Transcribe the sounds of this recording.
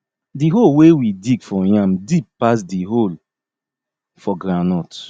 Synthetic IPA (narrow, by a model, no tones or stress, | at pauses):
diɦolwewidiɡfɔjãmdib̚pas̬diɦol | fɔɡɾãnɔt